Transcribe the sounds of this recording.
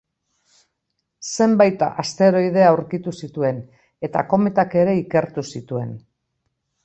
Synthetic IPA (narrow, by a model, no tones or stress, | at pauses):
se̞mbajt̪a̰ʔast̪e̞ɾo̞jð̞e̞awɾkit̪usit̪ue̞n | e̞t̪a̰ko̞me̞t̪ake̞ɾe̞ike̞ɾt̪usit̪ue̞̰n